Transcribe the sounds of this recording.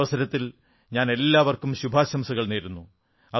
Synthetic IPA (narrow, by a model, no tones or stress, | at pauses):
ʋɐsɐɾɐt̪ːil | ɲaːne̞lːaːʋɐrkumɕubʱaːɕɐmsuɣɐɭneːɾunːu | ɐ